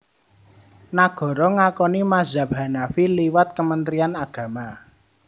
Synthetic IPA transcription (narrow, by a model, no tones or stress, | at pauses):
naɡ̥ɔ̤ɾɔŋakɔnimazabɦanafiliwat̪̚kəmənt̪ɾianaɡ̥ä̤ma